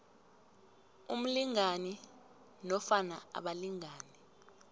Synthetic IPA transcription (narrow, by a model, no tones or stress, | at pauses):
um̩liŋani | nɔfanaa̰ɓaliŋaːni